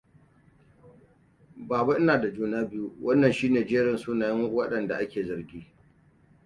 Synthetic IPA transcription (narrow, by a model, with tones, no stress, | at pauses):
baː˨ba˦ʔɪ˦naː˨da˨d͡ʒuː˦naː˦bɪ˦ju˦wʔɐ˦nːɐ˨nʃiː˦neː˨d͡ʒeː˦ɾɪ˨nsuː˦naː˨jɪ˦ŋwɐ˦ɗɐ˨nda̰˨ʔa˦kʲeː˨zɐ˨rɡʲiː˦